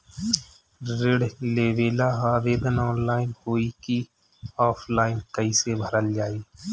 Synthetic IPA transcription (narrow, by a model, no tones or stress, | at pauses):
ɾɪɽleːʋeːlaɦaːʋeːd̪ənɔːnlaːɪnhoːiki | ɔːpʰlaːɪnkəisebʱəɾəld͡ʒaːiː